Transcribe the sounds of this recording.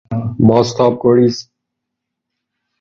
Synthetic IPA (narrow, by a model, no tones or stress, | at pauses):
bɔːst̪aːp̚koɽiːs